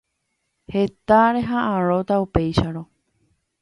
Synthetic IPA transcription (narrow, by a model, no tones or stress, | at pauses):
he̞t̪aɾe̞ɦaʔãɾo̞t̪aupe̞jʃaɾo